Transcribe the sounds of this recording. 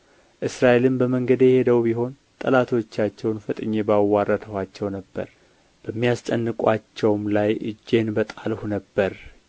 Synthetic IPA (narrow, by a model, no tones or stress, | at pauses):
ʔɨsɾaʔelɨmbəməŋɡəd̪jɛhe̞d̪əwbiɦo̞n | t̪ʼəlat̪ʰo̞t͡ʃːat͡ʃːɛwnfət̪ʼɨɲːebawːarːət̪ʰəhat͡ʃːɛwnəbːə̰ɾ | b̥əmːijast͡ʃʼənːɨkʼwat͡ʃːɛwmlajʔɨ̰d͡ʒːe̞nbət̪ʼalhunəbːəɾ